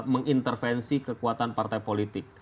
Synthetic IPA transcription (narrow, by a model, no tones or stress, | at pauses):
məŋint̪ərfɛnsikəkuat̪anpart̪ajpolit̪ɪk̚